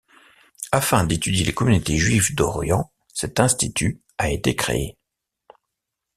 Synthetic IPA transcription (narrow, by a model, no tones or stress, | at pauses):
afɛ̃d̪et̪yd̪jelekɔmynot̪eʒɥivd̪ɔʁjɑ̃ | sɛt̪ɛ̃st̪it̪ʰy | aet̪ekχḛe